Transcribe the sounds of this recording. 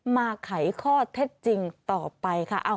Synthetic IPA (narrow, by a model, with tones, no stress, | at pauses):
maː˧kʰa˩˦jkʰɔː˥˩t̪ʰe˦˥t̪̚t͡ɕi˧ŋt̪ɔː˨˩pa˧jkʰa˦˥˩ʔa˧˩